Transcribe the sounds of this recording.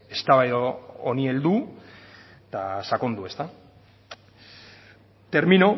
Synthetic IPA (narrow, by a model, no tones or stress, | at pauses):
e̞st̪aβajðoonie̞ld̪u | t̪asako̞nd̪ue̞st̪a | t̪e̞ɾmino̞